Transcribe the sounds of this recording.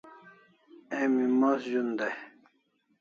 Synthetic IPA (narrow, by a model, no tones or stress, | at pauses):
emimasʑund̪e